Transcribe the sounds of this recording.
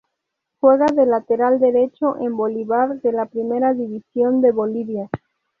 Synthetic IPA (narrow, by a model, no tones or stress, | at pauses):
xwe̞ɣaðelat̪eɾald̪e̞ɾe̞t͡ʃoʔemboliβaɾðe̞lapɾime̞ɾaðiβisjo̞nd̪e̞βo̞liβja